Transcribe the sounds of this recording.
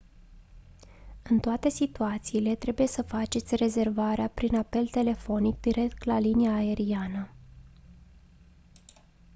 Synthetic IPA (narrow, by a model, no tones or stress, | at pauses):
ɨnt̪oat̪e̞sit̪uat̪siːle̞t̪ɾe̞buje̞səfat͡ʃe̞t̪sʲre̞ze̞rvaɾeapɾinape̞lt̪e̞le̞fo̞nik̚d̪iɾe̞k̚t̪laliniaːe̞ɾianə